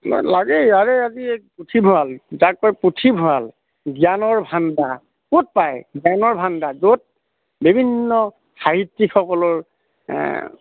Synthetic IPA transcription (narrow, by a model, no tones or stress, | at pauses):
nɔ̰laɡeaɹeaziputʰibʱʊalzakɔjputʰibʱʊal | ɡijanɔɹbʱanda | kut̚pajɡjanɔɹbʱandazot̚ | bibʱinːɔ | xaɦitːikxɔkɔlɔɹ̰